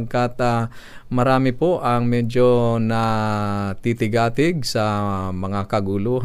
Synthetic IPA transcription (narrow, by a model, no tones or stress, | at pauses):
ɡkat̪̚amɐɾaːmɪpoʔɐŋmɛd͡ʒonɐ | t̪it̪ɪɡaːt̪ɪɡ̚sɐmɐŋakɐɡʊluːɦ